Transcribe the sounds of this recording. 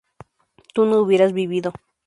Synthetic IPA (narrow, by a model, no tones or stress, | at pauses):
t̪unouβjeɾasbiβiðo